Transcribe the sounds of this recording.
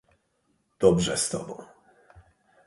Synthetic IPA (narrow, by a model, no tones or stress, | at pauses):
d̪̥ɔbʐɛst̪ɔ̰bɔ̰̃w̃